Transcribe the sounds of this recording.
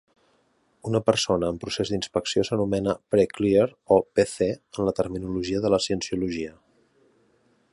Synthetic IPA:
unəpəɾsonəːmpɾusezd̪inspəksiosənumɛnəpɾeklieɾopeθeənlət̪əɾminuluʒiəðələsiənsiuluʒiə

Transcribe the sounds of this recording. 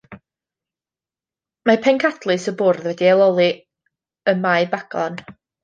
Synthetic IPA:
mapʰɛŋkʰadlˠɨsəbʊrðwɛdiɛlˠɔlˠi | əmaɨbaɡ̥ɔn

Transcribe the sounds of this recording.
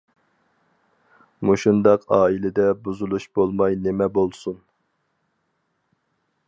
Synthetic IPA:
muʃund̪ɑqɑːilɪd̪ɛbuzulˠuʃbolˠmɑjnemɛbolˠsun

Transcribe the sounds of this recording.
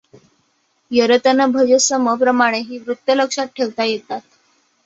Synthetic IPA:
jəɾət̪ənəbʱəd͡ʑəsəməpɾəmaɽ̃eɦiːʋɾut̪ːjələkʂat̪̚ʈʰeʋt̪ajet̪at̪̚

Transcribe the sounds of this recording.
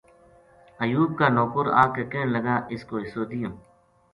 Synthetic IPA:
əjuːb̚kaːnoːkʊɾa̰ːkekẽːɳləɡaːʔɪskoːɪsoːd̪ɪjõː

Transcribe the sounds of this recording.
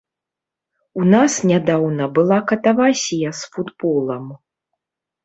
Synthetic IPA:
unasnʲad̪awnɐbɨlˠakɐt̪avasʲijɐsfud̪bɔlˠɐm

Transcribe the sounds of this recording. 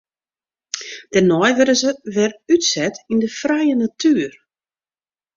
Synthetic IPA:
d̥ɛnɔjʋødəzəʋɛrytsɛtindəfrɛjənatʰyːər

